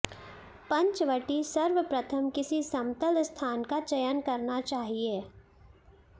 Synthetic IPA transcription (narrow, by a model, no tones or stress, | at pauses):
pɐ̃ɲt͡ʃʋəʈisɐɾʋəpɾɐt̪ʰəmkɪsisɐmt̪əlst̪ʰaːnkat͡ʃɐjənkɐɾnat͡ʃaːɦieː